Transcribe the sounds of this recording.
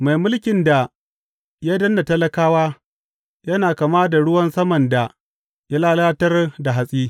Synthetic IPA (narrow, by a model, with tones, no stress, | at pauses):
ma˨jmʊ˦lkʲɪ˨nda˨ | ja˦dɐ˦nːa˨tɐ˦lɐ˦kaː˦waː˦ | jɐ˦naː˨kaː˨maː˦da˨ɽʊ˦wɐ˦nsɐ˦mɐ˨nda˨ | ja˦laː˦laː˦tɐ˦rda˨ɦa˨sʼiː˦